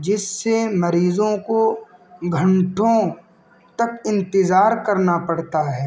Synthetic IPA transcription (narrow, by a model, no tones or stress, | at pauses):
d͡ʒɪsːemɐɾiːzõkoɡʱɐ̃ɳʈʰõ | t̪ɐkɪ̃nt̪ɪzaːɾkɐɾnapɐɽt̪aɦɛː